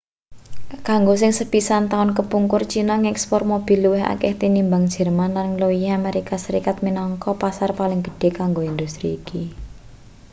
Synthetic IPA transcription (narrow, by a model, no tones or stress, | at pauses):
kaŋɡos̬ɪŋsəb̥isant̪aʊnkəpuŋkʊrt͡ʃinaŋɛkspɔrmob̥i̤luwɪɦa̰kɛht̪inimbaŋd̥ʒ̥ə̤rmanlanŋloiameɾikasəɾikat̪̚minɔŋkɔpasarpalɪŋɡ̥ə̤̥ɖ̥e̤kaŋɡoind̪ust̪ɾiːki